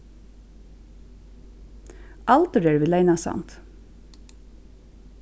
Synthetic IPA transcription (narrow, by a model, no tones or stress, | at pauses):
ʔɑlt̪əɹəɹʋɪleɪnɑsɑ̰nt̪